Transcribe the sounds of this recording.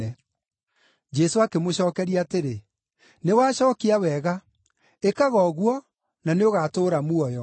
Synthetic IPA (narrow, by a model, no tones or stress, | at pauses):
ɛ | d͡ʒɛsoakemoɕɔːkɛɾiaːteɾe | newaːɕɔːkiawɛɣa | ekaɣɔɣwɔ | naneoɣaːtoːɾamuɔjɔ